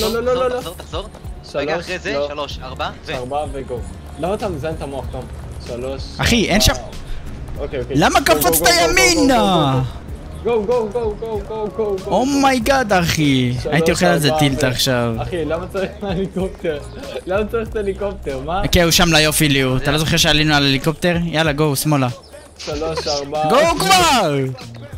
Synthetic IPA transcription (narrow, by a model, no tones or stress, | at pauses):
lololooloot̪aχzo | ʃaʁzoloʃaʁbavaʁbaveɡov | lamat̪amizant̪amoaχt̪am | ʃaloʃaχiʔenʃam | okejokelamakafot͡sɡt̪ajamina | ɡoɡoɡoɡoɡoɡoɡomajɡad̪aχiaiioχelalzet̪ilt̪aːχʃavχilamat͡saʁiχtaelikop̚t̪eʁ | lamat͡saʁiχt̪aelikop̚t̪eʁmakeuʃamlajo̞filiuat̪alo̞zoχeʁʃealinualelikop̚t̪eʁjalaɡo̞wsmo̞la | ʃaloʃaʁbɡokvaʁ